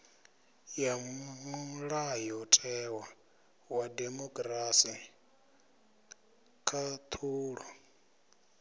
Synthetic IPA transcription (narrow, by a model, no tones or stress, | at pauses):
jamuɺajɔtʼɛwa | wademɔkʼɾasi | kʰat̪ʰuːɺɔ